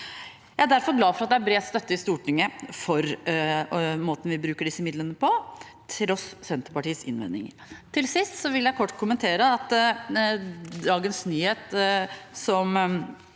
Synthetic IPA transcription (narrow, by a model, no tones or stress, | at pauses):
jææd̪æɾfɔɾɡlɑːfɔɾɑt̪̚d̪ɛæɾbɾeːt̪st̪œt̪ːəɪst̪uːʈʰɪŋːəfɔɾ | moːt̪ən̩ʋɪbɾʉːkəɖɪsːəmɪd̪lənəpɔt̪ʰɾɔssɛnt̪əɾpɑʈiːəsɪ̰nʋɛ̰nɪ̰ŋ | t̪ʰɪlsɪst̪sɔʋɪljæɪkʰɔʈːkʰʊmənt̪ʰeːɾəɑt̪ | d̪ɑːɡənsnyːheːt̪ | sɔm